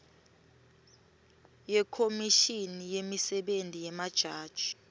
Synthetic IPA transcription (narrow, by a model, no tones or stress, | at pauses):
jɛkʰomiʃinijemisɛɓentʼijɛmad̥ʒ̥ʱaːd̥ʒ̥ʱi